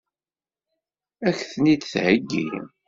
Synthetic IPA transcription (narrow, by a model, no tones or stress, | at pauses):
æçθnit̪θhəɡːḭ